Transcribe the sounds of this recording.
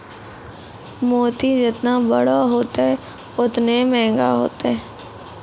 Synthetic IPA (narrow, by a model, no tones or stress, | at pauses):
moːt̪id͡ʒɪt̪nabə̰ɽaɦoːt̪eɛ | ʊt̪nemɛ̃ːŋɡa̰ɦo̰ːt̪eɛ